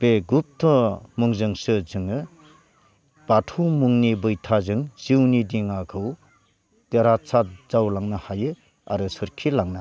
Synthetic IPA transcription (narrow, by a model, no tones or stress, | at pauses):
b̥eɡup̚tʰɔmuŋzɯŋsɯzɯŋɯ | b̥atʰumuŋnibɯjtʰazɯŋz̥iwnidiŋakʰɯw | teɾasʰazawlaŋnahajɯ | a̰ɾɯsɯɾkʰilaŋna